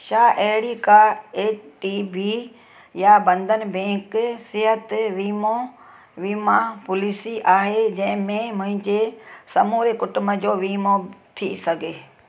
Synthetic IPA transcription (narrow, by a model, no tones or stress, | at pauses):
ʃaːʔeɦɪɽikaeːʈiːbi | jabɐ̃nd̪ənɪ̆bẽːksɪɦət̪ʋiːmõ | ʋiːmãpʊliːsiʔaːɦed͡ʑɐ̃ɦɪ̃mẽmʊ̃ɦɪ̃ɲd͡ʑesɐmuːɾekʊʈʊməd͡ʑoːʋiːmot̪ʰḭsɐɡʱeː